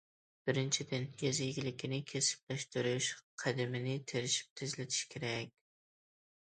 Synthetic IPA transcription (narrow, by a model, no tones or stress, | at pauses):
b̥ɪɾɪnt͡ʃʰɪd̪ɪnjezɪjɡʲɪlɪkʲʰɪnɪkʲʰesɪ̥p̚læʃt̪ɪɾɪʃqʰɑd̪ɪmɪnɪt̪ʰeɾɪʃɪ̥p̚t̪ʰɪzlɪt̪ʰɪ̥ʃkʲʰeɾakʲ